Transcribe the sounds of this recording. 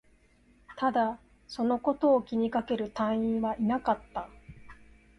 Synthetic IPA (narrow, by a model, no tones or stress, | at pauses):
t̪ad̪a | so̞no̞ko̞t̪o̞ːkʲiɲ̟ikake̞ɾɯ̟t̪ãɰ̃ĩɰ̃βaʔinakat̪ːa